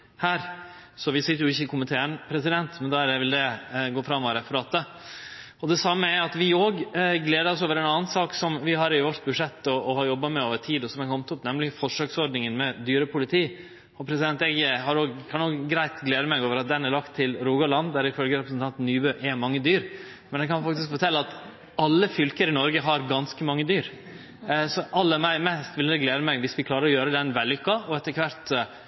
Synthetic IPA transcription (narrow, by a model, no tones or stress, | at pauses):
hæːɾ | sɔʋɪsɪt̪ːəɾjʊɪçːəɪkʰʊmɪt̪ʰeːənpʰɾɛsɪd̪ɛnt̪mɛnd̪ɑɾʋɪld̪ɛɡoːfɾɑmːʋɑɾɛfʊɾɑːt̪ə | ɔd̪ɛsɑmːəæɾɑt̪ʋɪoːɡɡleːd̪əɾɔs̬oːʋəɾɛnɑːnsɑːksɔmʋɪɦɑɾɪʋɔʈt̪bʉdʂɛt̪ːɔːhɑɾjɔbːɑmɛoːʋəʈʰiːd̪ɔsɔmækʰɔmt̪ʊpnɛmlɪfɔʂøːksɔɖɳɪŋənmɛd̪yːɾəpʊlɪt̪ʰiː | ɔpʰɾɛsɪd̪ɛnt̪ɛɡɦɑɾoːɡkʰɑnoːɡɡɾæɪt̪ɡleːd̪əmɛɪɡoːʋəɾɑt̪̚d̪ɛnæɾlɑkt̪ʰːɪlɾuːɡɑlɑnd̪d̪æɾɪfœlɡəɾɛpɾəsən̩t̪ɑnt̪n̩ːyːbøʔɛmɑŋːəd̪yːɾ | mɛnækʰɑnfɑk̚t̪ɪskfɔʈʰɛlːəɑt̪ | ɑlːəfʏlkəɾəɪnɔɾɡəɦɑɾɡɑnskəmɑŋːəd̪yːɾ | sɔʔɑlːəmæɪmɛst̪ʋɪld̪ɛɡleːd̪əmɛɡʋɪsʋɪkʰlɑːɾəɾɔjøːɾəd̪ɛnʋɛlːʏkːɑɔɛt̪ːəɾkʰʋæɾt̪